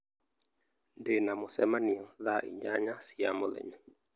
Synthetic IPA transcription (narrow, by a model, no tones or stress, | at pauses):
ndenamɔsɛmaniɔðaʔḭɲd͡ʒaɲasiamɔlɛ̰ɲa